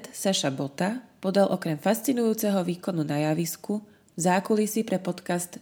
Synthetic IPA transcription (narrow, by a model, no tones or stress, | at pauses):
t̪saʃabɔt̪apɔd̪alʔɔkɾɛmfast͡sinujuːt͡sɛɦɔʋiːkɔnunajaʋisku | zaːkulisipɾɛpɔt̪kast̪